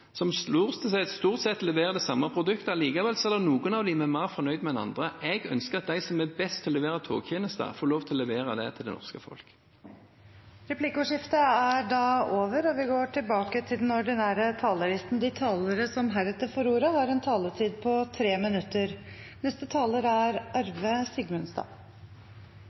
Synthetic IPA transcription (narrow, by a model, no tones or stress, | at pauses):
sɔmsluːʁst̪ʰəsɛst̪uːʁt̪sɛt̪ːlɛʋeːʁəd̪ɛsɑmːəpʰɾʊd̪ʉkt̪əliːkɑʋɛlsɔɛlːənuːɡənɑʋd̪ɪmɛmæːʁfɔnœʏd̪mɛɛnɑ̰nd̪ʁəʔɛɡœ̰nskəʁɑt̪̚d̪æɪsɔmɛbɛst̪ʰlɛʋeːʁət̪ʰo̰ːɡçeːnəst̪ə̰foːɾloːʋt̪ʰɪlɔlɛʋeːʁəd̪ɛ̰t̪ʰɪld̪ɛ̰nɔ̰ʁskəfɔ̰lk | ɾɛpʰlɪkʊʂɪft̪əæɖɑːoːʋəɾɔʋɪɡoːʈʰɪlbɑːkət̪ʰɪld̪ɛnɔɖɪnæːɾət̪ʰɑːləɾɪst̪n̩d̪ɪt̪ʰɑːləɾəsɔmɦæɾɛt̪ːəɾfɔɾuːɾəhɑɾɛnt̪ʰɑːlətʰiːd̪̚pʰɔt̪ʰɾeːmɪnʉt̪ːəɾ | nɛst̪ət̪ʰɑːləɾæɾʔɑɾʋəsɪɡmʉnsd̪ɑ̰ː